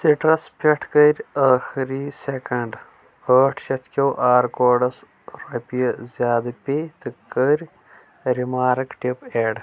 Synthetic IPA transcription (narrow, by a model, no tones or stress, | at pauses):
siʈɾɐspʲeʈʰkɐɾʲaːxiɾisekɐɳɖ | əːʈʰʃɐt̪kʲɐwʔaːɾkoːɖɐs | ɾɐpijɐzjaːd̪ɐpʲet̪ɨkːəɾʲ | ɾimaːɾɨkʈipeːɖ